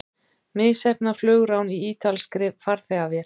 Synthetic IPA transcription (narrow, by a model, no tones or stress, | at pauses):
mɪðsɛpnaflœːɣɾawniiːt̪alskɾɪfaɾ̥θɛɣavjɛl